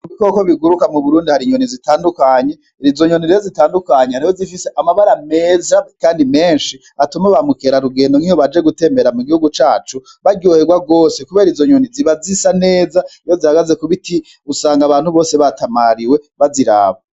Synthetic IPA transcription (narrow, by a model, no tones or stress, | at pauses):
uiko̞ko̞βiɡuɾukamuβuɾuːndihaɾiɲonizitaːndukaɲe̞ | izo̞ɲo̞niɾijozitaːndukaɲehaɾihozifise̞ʔamaβaɾame̞ːzakaːndime̞ːnʃi | atumaβamuke̞ɾaɾuɡe̞ːndo̞ŋihoβad͡ʒe̞ɡute̞me̞ɾamuɡihuɡut͡ʃaːt͡ʃu | βaɾɟohe̞ɡwaɡo̞ːsekuβeːɾizo̞ɲo̞niziβazisane̞ːzaijo̞zihaɡaze̞kuβiti | usaːŋɡaβaːnhuβo̞ːseβatamaɾiwe̞βaziɾa̰ːβa